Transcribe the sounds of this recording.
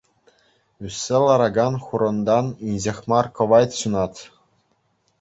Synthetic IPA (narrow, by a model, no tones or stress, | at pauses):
ysʲːelˠɑɾɑɡɑnχuɾɤ̆nd̪ɑninʲʑĕxʲmɑrkɤ̆ʋɑjt̪ɕunɑt̪ʲ